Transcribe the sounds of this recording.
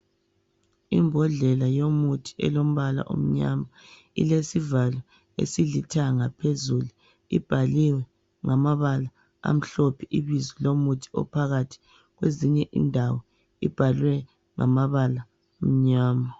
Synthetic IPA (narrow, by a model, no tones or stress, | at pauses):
imbʱɔɮɛlajomutʰi̥ɛ̰lom̩βala̰ʔo̰m̩ɲama | ḭlesivalwɛ | ḛsilitʰaŋapʰezulu | ḭb̥ʱaliwɛ | ŋamaβala | a̰m̩ɬopʰiʔiβizilomutʰi̥ɔ̰pʰaɣatʰi̥ | ɣweziɲɛʔḭndʱawɔ | ḭb̥ʱalwɛ | ŋa̰maβala | om̩ɲaːma